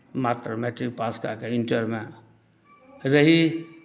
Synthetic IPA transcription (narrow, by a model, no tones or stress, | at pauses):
mat̪ɾəmeʈɾik̚paːska̰keɪɳʈəɾmẽ | ɾəɦi